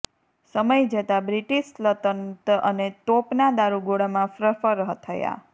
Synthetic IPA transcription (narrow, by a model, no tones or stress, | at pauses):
səməjd͡ʒət̪abɾiʈiʃlət̪ənt̪ənet̪opnad̪aɾuɡoɽamãfɾəfəɾəɦət̪ʰəja̰